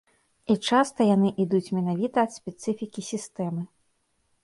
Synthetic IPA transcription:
it͡ʂast̪ɐjanɨʔid̪ut͡sʲmʲɛnavʲit̪ɐːt̪sʲpʲɛt̪sɨfʲikʲisʲist̪ɛmɨ

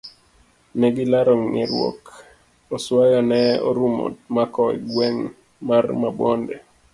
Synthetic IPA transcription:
nɛɡɪlaɾoŋnɪ̰ɾwɔ̰k | oswajɔnɛo̰ɾumo̰t̚makɔḭɡwɛŋ | marmabɔndḛ

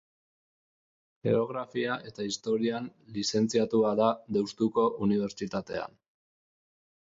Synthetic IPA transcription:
ʝe̞̰oɣɾafiaʔe̞t̪aist̪o̞ɾianlise̞nt͡siat̪uaðaðewst̪uko̞ʔuniβ̞e̞ɾt͡ʃit̪at̪e̞̰a̰n

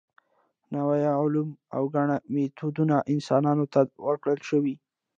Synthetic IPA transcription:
nawajʊluma̰wɡaɳamet̪ʰud̪unaʔɪnsɑnɑnot̪awəɾkɽəlʃəwi

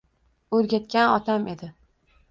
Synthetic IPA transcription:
ɵɾɡʲat̪̚kʲanɒt̪ʰamʔe̞d̪ɪ

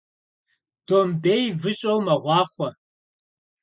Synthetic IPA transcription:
d̥oːmbeːjvɨɕʼɐwmɐʁʷɑːχʷɔ

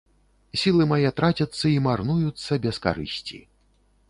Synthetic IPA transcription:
sʲilˠɨmajɛt̪ɾat͡sʲɐt̪sːɐimarnujut̪sːɐbʲɛska̰ɾɨ̰sʲt͡sʲḭ

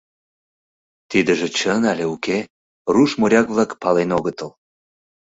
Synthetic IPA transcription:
t̪id̪əʒĕt͡ɕənalʲeuke | ruʃmoɾʲɑkβlɑkpɑlenoɣət̪əl

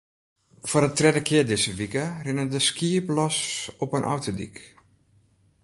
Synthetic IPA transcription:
forətrɛdəkʰɪəɹdɪsəʋikərɪnədəskiəplɔsɔpənʔa̰wtədḭk

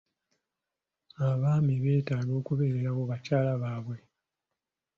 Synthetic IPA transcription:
aβaːmiβe̞ːtaːɡo̞ːkuβe̞ːɾeɾawoβacaːlaβaːβwe̞

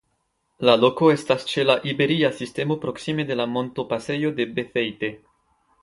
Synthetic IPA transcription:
lalo̞ko̞e̞stast͡ʃe̞laʔibe̞ɾiasiste̞mo̞pɾo̞ksime̞de̞lamo̞nto̞pase̞jo̞de̞be̞fe̞jte̞

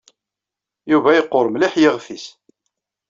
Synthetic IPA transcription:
juvæjəqːoɾˤmliħjiʁfis

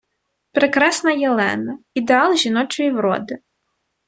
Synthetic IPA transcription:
pɾekɾɑsnɐjelˠɛ̰nɐ | id̪eɑlˠʒʲinɔt͡ʃɔjʲiwɾɔ̰d̪ɪ

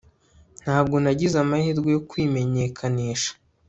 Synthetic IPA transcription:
n̥haːb̚ɡo̞naɟizamahiɾɡojo̞kwiːme̞ɲe̞kʰaniːʃḁ

